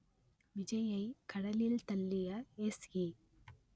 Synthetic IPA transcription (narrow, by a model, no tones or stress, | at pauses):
ʋɪd͡ʒɐjɐɪkɐɽɐlɪlt̪ɐlːɪjɐesɡi